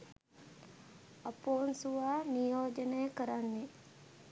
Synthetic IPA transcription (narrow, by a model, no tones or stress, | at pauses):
ɐpoːnsuʋaːnijoːd͡ʒənəjəkəɾanːe